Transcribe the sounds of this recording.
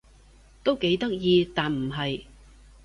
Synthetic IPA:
t̪o˥wke˨˥jt̪ɐ˥k̚jiː˧t̪aː˨nm̩˨˩ɦɐ˨j

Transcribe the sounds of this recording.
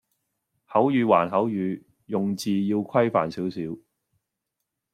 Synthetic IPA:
hɐ˨˥wjyː˨˧waː˨˩nɦɐ˨˥wjyː˨˧ | jʊ˨ŋt͡siː˨˧jiː˧wkʷʰɐ˥jfa̰ː˨˩nsiː˨˥wsiː˨˥w

